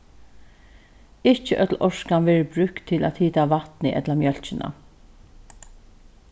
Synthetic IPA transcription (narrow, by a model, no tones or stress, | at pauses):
ɪht͡ʃəʔœt̪l̩ɔʂkanʋɛːɹəbɾʉhkt̪ʰːɪlæ̰t̪hiːt̪aʋat̪nɪʔɛ̰t̪lamjœl̥t͡ʃɪnʔa̰